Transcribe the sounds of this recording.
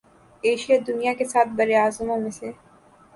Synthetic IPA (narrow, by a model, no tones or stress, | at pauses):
eːʃijad̪ʊnijakesaːt̪̚ʰbɐɾeaːzmõmẽse